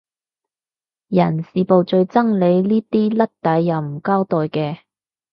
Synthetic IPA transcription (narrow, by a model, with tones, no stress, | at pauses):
jɐ˨˩nsiː˨po˨wt͡ʃɵ˧ɥt͡sɐ˥ŋle˨˧jliː˥t̪iː˥lɐ˥t̚t̪ɐ˨˧˥jːɐ˨˩wm̩˨˩kaː˥wt̪ɔː˨jkɛː˧